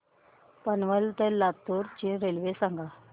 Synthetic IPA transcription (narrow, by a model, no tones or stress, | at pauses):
pənʋəlt̪elat̪uɾt͡ɕĩɾelʋesãŋɡa